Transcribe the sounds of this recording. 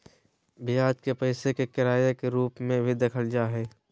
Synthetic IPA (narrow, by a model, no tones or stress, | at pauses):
bʱɪjaːd͡ʒkepɐɪsekekɪɾaːjekeɾuːpmẽbʱid̪ɐkʰəld͡ʒaːɦɛː